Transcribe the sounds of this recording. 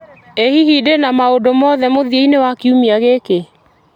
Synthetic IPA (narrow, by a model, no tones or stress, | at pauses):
ehihidenamaodomɔðɛmoðieinewakiumiaɣeke